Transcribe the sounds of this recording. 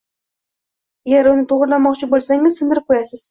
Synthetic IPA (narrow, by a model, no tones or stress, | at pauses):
jʲaɾʊnɪt̪ʰoʁʊɾlanmɒqt͡ʃʰɪbolˠsaŋɪzsɪnd̪ɪɾɪp̚kʰojasɪz̥